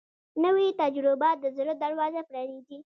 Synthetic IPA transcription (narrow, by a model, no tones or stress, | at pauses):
nəwit̪ad͡ʒɾʊbɑt̪̚d̪əzɾod̪aɾwɑzapɾɑniɡ̪i